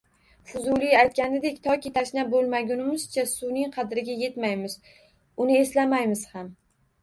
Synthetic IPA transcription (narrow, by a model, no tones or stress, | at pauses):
fʊzʊlˠɪajt̪̚kʲanɪd̪e̞kʲt̪ʰɒkʲit̪ʰaʃnabolˠmaɡʲʊnɪmɪz̥t͡ʃʰasʊnɪŋqʰɑd̪ɾɪɡʲaje̞t̪majmɪz̥ | ʊnɪe̞slamajmɪz̥ham